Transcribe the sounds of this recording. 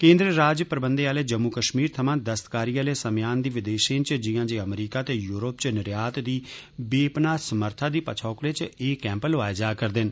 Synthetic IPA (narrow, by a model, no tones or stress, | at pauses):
kẽːnd̪ɾəɾaːd͡ʒpɾəbənd̪eːaːleːd͡ʒəmːuːkəʃmiːɾt̪ʰəmãːd̪əst̪kaːɾiːaːleːsəmjaːnd̪iːʋɪd̪eːʃẽːt͡ʃd͡ʒɪjãːd͡ʒeːəmɾiːkaːt̪eːjuːɾoːpt͡ʃnɪɾjaːt̪d̪iː | beːpnaːsəməɾt̪ʰaːd̪iːpət͡ʃʰɔːkɾeːt͡ʃeːkɛ̃ːmpəlaːed͡ʒaːkəɾd̪ɪn